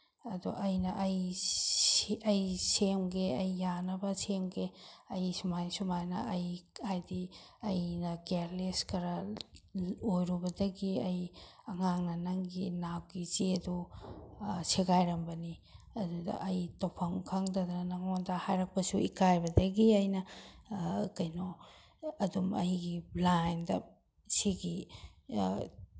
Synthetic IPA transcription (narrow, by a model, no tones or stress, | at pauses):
ɐdṵʔɐjnɐʔɐj | ɐjsemɡeɐjːanɐbɐsemɡeɐjsumajsumajnɐ̰ɐjkʰajdiɐjnɐɡeɾleskɐɾɐ | ojɾubɐdɐɡiɐjɐŋaŋnɐnɐŋɡinab̚ɡit͡ʃeɐdu | sʰeɡajɾɐmbɐni | ɐdudɐ̰ʔɐjtawpʰɐŋkʰaŋdɐdnɐŋondɐhajɾɐk̚pɐsuikajbɐdɐɡiɐjnɐ | kɐjno | ɐdumɐ̰jɡiblajndɐ | siɡi